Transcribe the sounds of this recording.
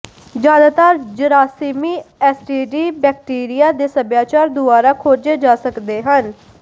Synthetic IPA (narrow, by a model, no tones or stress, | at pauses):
d͡ʒjaːnat̪aːɾd͡ʒəɾaːsiːmiːɛːsʈiːɖiːbɛːk̚ʈiːɾɪjaːd̪eːsəbjaːt͡ʃaːɾd̪ʊaːɾaːkʰoːɾd͡ʒeːd͡ʒaːsəkd̪eːɦən